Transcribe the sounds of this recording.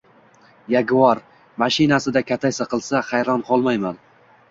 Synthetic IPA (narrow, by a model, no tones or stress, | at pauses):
jaɡʲvɒɾ | maʃɪnasɪd̪akʲʰat̪ʰajsaqɨlˠsaχɑjɾɒnqʰɒlˠmajman